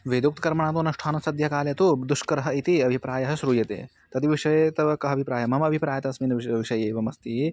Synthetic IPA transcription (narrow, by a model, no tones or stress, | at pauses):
ʋeːd̪juk̚t̪kɐɾmɐɳaːt̪oːnɐʃʈʰaːnusɐd̪ʱjɐkaːljɐt̪ud̪uʂkɐɾɐɦɐit̪iɐbʱipɾaːjɐɦɐʃɾuːjɐt̪ḛː | t̪ɐt̪iʋiʂɐjet̪ɐʋɐkɐɦɐbʱipɾaːjɐmɦɐmɐbʱipɾaːjɐt̪ɐɐsmiːnɐʋʋiʃɐjeːʋɐmɐst̪iː